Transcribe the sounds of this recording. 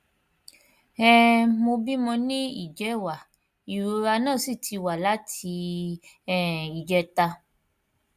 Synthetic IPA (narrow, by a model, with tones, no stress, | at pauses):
ɛ˦mo˧bi˦mɔ̃˧nĩ˦ḭ˦˨d͡ʒɛ˨˦wa˨ | i˨ɾɾa˧nã˦˨si˦˨tʰi˧wa˨la˨˦tʰi˧ | ɛ˦˨i˨d͡ʒɛ˧˦ta˧